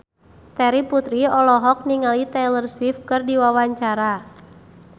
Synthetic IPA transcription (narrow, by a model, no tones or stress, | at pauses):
t̪ɛɾiput̪ɾiɔlɔɦɔk̚niŋalit̪ɛlərswif̚kɨrdiwawaɲt͡ʃaɾa